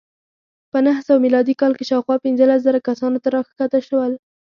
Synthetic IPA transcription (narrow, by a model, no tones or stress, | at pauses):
pənahsawmilɑd̪ikɑlkeʃɑwxwɑpɪnzəlas̬zəɾakasɑnot̪aɾɑxxat̪əʃəwəl